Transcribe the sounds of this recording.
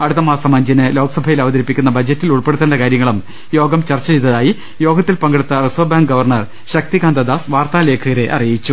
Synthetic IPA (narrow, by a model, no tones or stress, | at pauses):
ɐɽut̪ːɐmaːsɐmɐɲd͡ʑɐnɨlo̞ːkɐsɐbʱɐjilɐʋɐd̪ɐɾipːikʲːunːɐbʱɐd͡ʑɐtːiluɭpe̞ɽut̪ːɐndɐkaːɾjɐŋːɐɭum | jo̞ːɡɐmt͡ɕɐrt͡ɕːɐt͡ɕejt̪̬ːɐðaːji | jo̞ːɡɐt̪ːilpɐŋɡɐɽut̪ːɐrɨsʋɐbaːŋɡɐʋɐrɳɐr | ɕɐk̚t̪iɡaːnd̪ɐd̪aːsʋaːrt̪aːle̞ːkʰːɨɣɐɾe̞ʔɐ̰rijit͡ɕːu